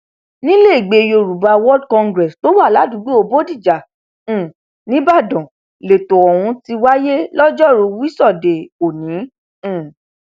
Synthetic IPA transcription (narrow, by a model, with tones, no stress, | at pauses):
nĩ˦le˦˨i˨ɡ͡be˧jo˧˨ɾu˨ba˧wɔ˦dkɔ̃˧ŋɡɾɛ˨sto˨˦wa˦˨la˨˦du˨˦ɡ͡bi˦o˧bo˦di˦˨d͡ʒã˨˦˨ | nĩ˦ba˦˨dɔ̃˨ | le˨to˨ɔ˨ɾ̃ũ˧ti˧wa˦je˦lɔ˦d͡ʒɔ˦˨ɾũ˧wi˦sɔ˦˨de˨o˨nĩ˨˦˨